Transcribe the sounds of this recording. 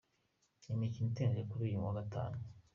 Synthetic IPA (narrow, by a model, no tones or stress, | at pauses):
imiciniteːnekuɾiːjumwaɡatʰa̰ːnu